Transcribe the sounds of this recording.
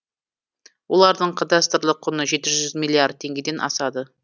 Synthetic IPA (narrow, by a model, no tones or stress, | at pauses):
wo̞lˠɑɾd̪əɴqʰɑd̪ɑst̪əɾlˠəqʰːʊnəʒe̞t̪ɪʒʒʏzmilʲˠːiard̪̚t̪ʰe̞ŋɡʲed̪e̞nʔɑ̰sɑd̪ə